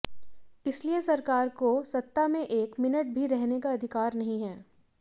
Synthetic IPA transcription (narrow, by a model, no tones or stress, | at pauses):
ɪsliesɐɾkaːɾkosɐt̪ːamẽʔeːkmɪnəʈ̚bʱiɾɛɦnekaɐd̪ʱɪkaːɾnɐɦĩɦɛː